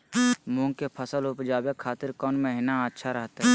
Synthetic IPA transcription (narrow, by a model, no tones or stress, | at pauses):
mʊ̃ːŋɡkepʰəsəlʊpd͡ʒaːbjekʰaːt̪ɪɾkɔːnmẽɦɪnaətːʃʰaɾəɦt̪ɦɛ